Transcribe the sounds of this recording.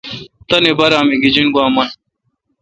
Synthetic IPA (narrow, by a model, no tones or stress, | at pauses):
t̪ɐnebɐɾaːmeɡid͡ʑinɡwaːmɐn